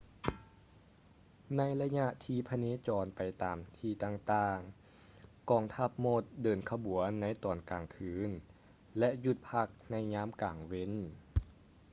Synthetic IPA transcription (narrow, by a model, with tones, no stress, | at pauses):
na˧˥jla˧ɲa˧˥ʔt̪ʰiː˧˥˩pʰa˧neː˧˥t͡ɕɔː˨˧npa˨jt̪aː˨˩mt̪ʰiː˧˩t̪aː˧˩ŋt̪aː˧˩ŋ | kɔː˧˩ŋt̪ʰa˧˥˩p̚mo˧˥˩t̪̚dɤː˨˩nkʰa˧bu˨˩˦ənːa˧˥jt̪ɔː˨˩nkaː˨˩ŋkʰɯː˨˧˩n | lɛ˧˥ʔju˧˩t̪̚pʰa˧˥˩k̚na˧˥˩jɲaː˦˥mkaː˨˩ŋwe˧˥˨n